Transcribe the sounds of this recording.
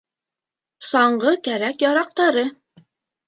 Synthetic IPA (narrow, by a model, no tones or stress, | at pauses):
sɑɴɢɤkæɾækjɑɾɑq̚t̪ɑɾɤ